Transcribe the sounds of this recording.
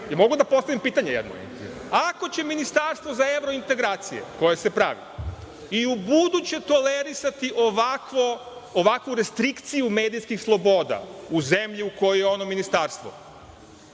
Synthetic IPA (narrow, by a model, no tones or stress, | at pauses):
jamo̞ɡud̪apo̞st̪aʋimpiːt̪aɲejed̪no̰ | ako̞t͡ɕe̞minist̪aːɾst̪ʋozaeʋɾo̞int̪e̞ɡɾaːt̪sije̞̰ko̞je̞se̞pɾa̰ʋḭ | iubud̪ut͡ɕe̞t̪o̞leɾisat̪iʔoʋakʋooʋakʋuɾest̪ɾikt̪sijumeːd̪ijskixslˠo̞bo̞ːd̪a̰uze̞mʎiuko̞jojeo̞no̞minist̪aːɾst̪ʋo̰